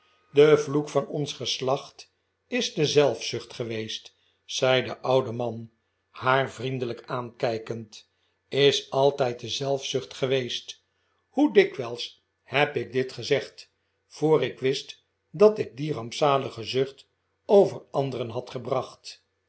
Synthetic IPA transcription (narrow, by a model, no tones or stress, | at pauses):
dəvlukfɑnɔnsχəslɑχt | ɪzdəzɛlˠfsʏχtχəʋejst | sɛjdəʔʌwdəmɑn | haːrvrindələkaːnkɛjkənt | ɪsɑlˠtɛjt̚dəzɛlˠfsʏχtχəʋejst | hudɪkʋɛlˠs | hɛpɪk̚dɪtχəzɛχt | foːrɪkʋɪst | dɑtɪk̚dirɑmpsaːləχəzʏχt | owvərɑnd̪ərənɦɑtχəbrɑχt